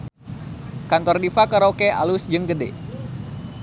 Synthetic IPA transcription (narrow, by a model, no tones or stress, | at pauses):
kant̪ɔrdifakəɾokea̰lusd͡ʒɨŋɡəde